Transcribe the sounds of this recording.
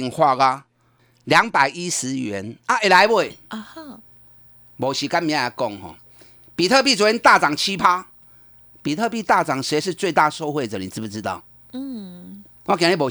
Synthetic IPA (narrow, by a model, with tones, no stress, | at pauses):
i˧ŋhwa˥˧ɣa˧ | lja˨˦ŋpa˨˩ɪi˦sɻ̩˧˦ɥɛ˨˦na˧˦e˨la˨˧˦ɪwe˥˩˧ | bɔ˨˩ɕi˨˩ka˧˦mĩ˨˧˦ã˦˧˨a˨˩kɔ˥˧˨ŋɦɔ̰˨ | pi˨˩t̪ʰə˥˧p̬i˥˨t͡sɔ˨˦i˦nt̪a˥˨t͡sa˨˩ŋt͡ɕʰi˦pʰa˦ | pi˨t̪ʰə˥˧p̬i˥˧t̪a˥˧˨t͡sa˨˩ŋse˨˦ɪʂɻ̩˥˧t͡swe˥˧ɪt̪a˥˧˨sɔ˥˧ʊxwe˥˨t͡sə˨˩nḭ̃˨˩t͡s̩˥˧pu˨˧t͡sɨ˧˦t̪a̰˥˨ʊ˥˨ | wa˥˧kjã˨˦i˧˩bɔ˨˩